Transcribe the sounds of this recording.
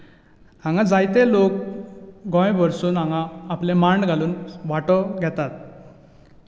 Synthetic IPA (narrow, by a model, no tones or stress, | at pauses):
ãŋɡãd͡zajt̪elok̚ | ɡɔ̃jbʱəɾsuːnãŋɡãːplemaɳɖɡʱaluːnʋaʈɔɡʱɛt̪at̪̚